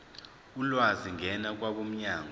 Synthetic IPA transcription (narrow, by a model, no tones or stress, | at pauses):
ulwaziŋʱɛnak̬ʼwaɓom̩ɲaːŋɔ